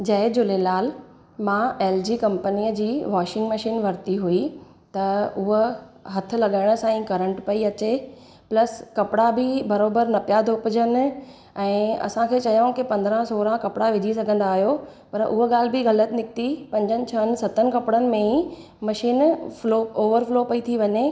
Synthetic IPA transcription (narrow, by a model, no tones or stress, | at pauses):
d͡ʑɐɦɪd͡ʑʊlelaːl | mãeːld͡ʑiːkɐ̃mpəniːəd͡ʑiːʋaːʃɪ̃ŋɡmɐʃiːnʋɐɾt̪iɦui | t̪ɐʊɦɦɐt̪ʰɪ̆lɐɠaːɪɽ̃ʊ̆sãĩkɐɾə̃ɳʈpɐiɐt͡ɕe | plɐskɐpɪɽabɪbɐɾoːbəɾnɐpijad̪ʱopɪd͡ʑən̆ | ɛ̃ːɐ̰sãkʰeːt͡ɕɐjõkipɐ̃nd̪ɾə̃soːɾãkɐpɪɽaʋɪd͡ʑʱisɐɡʱə̃nd̪aːɦjopɐɾʔʊɦoɠaːl̤ɪbɪɣɐlət̪ɪnɪk̚t̪ipɐ̃ɲd͡ʑənɪ̆t͡ɕʰɐənɪ̆sɐt̪ənɪ̆kɐpɪɽənɪ̆mẽi | mɐʃiːnflooːʋəɾfloːpɐit̪ʰiʋɐɲe